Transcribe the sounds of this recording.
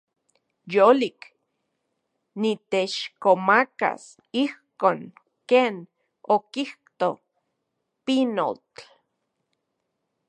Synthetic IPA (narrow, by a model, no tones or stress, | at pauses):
jolik | nit̪et͡ʃkomaka̰s | ihkoːŋ | keːn | okiht̪o | pino̰t͡ɬ